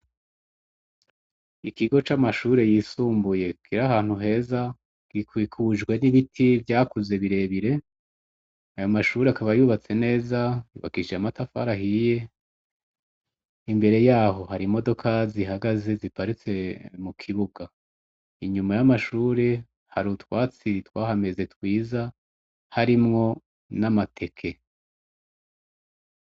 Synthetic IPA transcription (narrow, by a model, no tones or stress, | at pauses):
ikiɡo̞t͡ʃamaʃuːɾe̞jiːsuːmbuje̞kiɾaɦaːn̥huɦe̞ːza | ɡ̥ikwikʰuʒɡwe̞niβitʰivjaːkuze̞βiɾe̞βiɾe̞ | ajo̞maʃuːɾeakaβajuːβat͡se̞ne̞ːzajṵːβa̰kiʃiamatafa̰ɾahije̞ | imbe̞ɾe̞jaːɦo̞haɾimo̞do̞kʰaziɦaɡaze̞zipaɾit͡se̞mukʰiβuɡa | iɲumajamaʃuːɾe̞ | haɾutwaːt͡sitwaːhame̞ze̞twiːza | haɾimŋo̞ | namatʰe̞kʰe̞